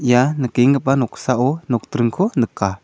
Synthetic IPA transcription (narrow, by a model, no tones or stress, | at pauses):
janəkeŋəpanɔksaʔɔnɔk̚t̪ɾɯŋkʰɔnəka